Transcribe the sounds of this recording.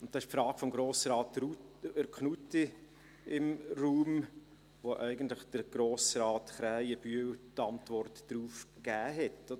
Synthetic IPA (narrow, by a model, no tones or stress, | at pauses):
ʊnttːɑɪʃpfɾɑːɡ̥fɔmɡɾoːsɾɑːtɾuəɾkχnuti | ɪmruːm | ʋoʔɛɪɡən̩tləχd̥əɾɡ̥ɾoːsɾɑːtχɾæɪjəb̥yəwtɑntvɔrtːɾuːfɡ̥æːɦɛtodə